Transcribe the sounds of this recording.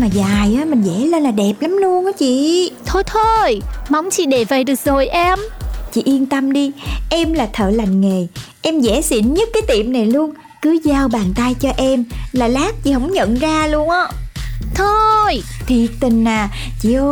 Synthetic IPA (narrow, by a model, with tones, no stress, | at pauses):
maː˨˩zaː˨˩jʔaː˨˦mï˨˩ŋ̟zɛ̰˧˥le˧nlaː˨˩ɗɛ˨˩p̚la˨˦mlu˧ənʔaː˨˦t͡ɕḭ˧˨t̪ʰo˧jt̪ʰo˧jma˨˧˦wŋ͡mt͡ɕḭ˧˨ɗe˧˩və˨˩jɗɨ˨˩k̚zo˨˩jʔɛ˧mt͡ɕḭ˧˨ʔi˧ənt̪ə˧mɗi˧ʔɛ˧mlaː˨˩t̪ʰə̰ː˧˨la˨˩jŋ̟ŋe˨˩ʔɛ˧mzɛ˧˥sḭ˧˩ənɲə˦˥t̚kaː˨˦jt̪i˧˨˩əmna˨˩jlu˧əŋ | kɨ˨˦zaː˧wɓaː˨˩nt̪a˧jt͡ɕɔ˧ʔɛ˧mlaː˨˩laː˦˥k̚t͡ɕḭ˧˨˦hə˧˥wŋ͡mɲə̰˧˨nzaː˧lu˧əŋʔə˧˦t̪ʰo˧jt̪ʰi˨˩ət̚t̪ï˨˩ŋ̟naː˨˩ | t͡ɕḭ˧˨ʔo˧